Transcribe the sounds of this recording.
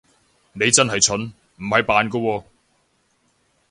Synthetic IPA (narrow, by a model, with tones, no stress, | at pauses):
ne˨˧jt͡sɐ˥nɦɐ˨jt͡ʃʰɵ˨˥n | m̩˨˩hɐ˨jpaː˨nkɔ˧wɔː˧